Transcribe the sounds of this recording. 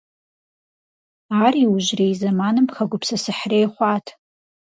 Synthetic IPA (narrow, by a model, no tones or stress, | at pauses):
ariuʒrejzamanɨmpχaɡʷʊpʰsasɨħrejχʷatʰ